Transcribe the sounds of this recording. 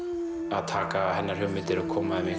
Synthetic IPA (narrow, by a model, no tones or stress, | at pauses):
at̪ʰaːkahanaɾiomet̪eɾokʰomame